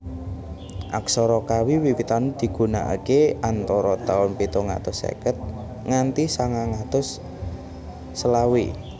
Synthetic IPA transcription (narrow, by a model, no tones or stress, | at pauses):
ʔa̰ksɔɾɔkawiwiwit̪anud̪̥i̤ɡ̥ṳna̰ʔa̰keant̪ɔɾɔt̪aʊnpit̪oŋa̰t̪ʊsḛkət̪̚ | ŋant̪isaŋaŋat̪ʊs | əlawi